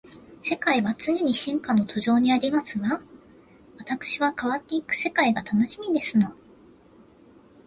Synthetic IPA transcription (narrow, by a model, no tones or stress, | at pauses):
se̞kaiβat͡sɨɲ̟eɲ̟iɕĩŋkano̞t̪o̞ʑo̞ːɲ̟iaɾʲimasɨβa | βat̪akɯ̟̥ɕiβakaβ̞at̪ːe̞ikɯ̟̥se̞kaiɡat̪ano̞ɕimʲid̪e̞sɨno̞